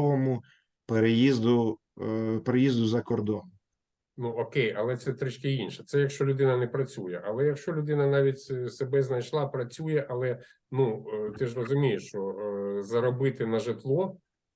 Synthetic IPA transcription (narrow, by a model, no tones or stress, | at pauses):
ʋɔmʊ | peɾejizd̪ʊ | peɾejizd̪ʊzɐkɔrd̪ɔn | nuɔkejɐlˠɛt̪sɛt̪ɾɪt͡ʃkɪinʃɛ̥t̪sɛjɐkʃt͡ʃɔlʲʊd̪ɪnɐnɛpɾɐt͡sʲujɛʔɐlˠɛjɐkʃt͡ʃɔlʲʊd̪ɪnɐnɑʋʲitʲsebɛznɐjʃlˠɑpɾɐt͡sʲujɛʔɐlˠɛ | nut̪ɪʒrɔzʊmʲijeʃt͡ʃɔzɐɾɔbɪt̪ɪnɐʒɪt̪lˠɔ